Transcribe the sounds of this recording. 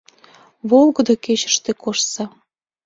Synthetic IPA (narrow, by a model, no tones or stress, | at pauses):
βolˠɡɤ̆d̪oket͡ɕə̥̆ʃt̪ekoʃsɑ